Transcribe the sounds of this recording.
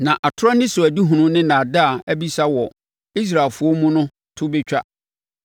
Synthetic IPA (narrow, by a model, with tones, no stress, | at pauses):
nã˨ʔa˨tʰʊ˦ɾa˦nɪ̃˦sʊ˨æ˨di˦ɦũ˨nʊ̃˦nɪ̃˦nã˨da˦a˨æ˦bi˦sa˦wɔ˨ | i˦s̬ɾa˨fʊ˨˦ɔ˦mũ˦nʊ̃˦ | tʰʊ˦bɪ˦t͡ɕᶣa˦